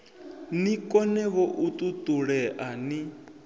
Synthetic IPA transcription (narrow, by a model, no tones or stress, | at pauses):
nikʼɔnɛβɔʔut̪ʼut̪ʼuɺɛʔani